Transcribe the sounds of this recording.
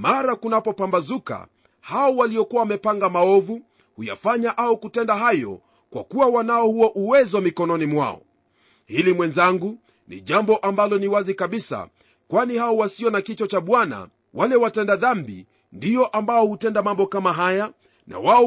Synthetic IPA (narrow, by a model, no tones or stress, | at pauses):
maɾakunapɔpambazuka̰ | haɔwaliɔkuawamɛpaŋɡamaɔvu | huja̰faɲaʔaukutɛndaɦajɔ̰ | kwa̰kuwawanaɔhuwaʔuwɛzwamikɔnɔnimwa̰ɔ̰ | hilimwɛnzaŋɡu | nḭʄambɔʔambalɔniwazikaɓisa̰ | kwanihaɔwasiɔnakit͡ʃɔt͡ʃaɓwana̰ | walɛwatɛndaðambi | ndijɔʔambaɔhutɛndamambɔkamaɦaja | na̰waɔ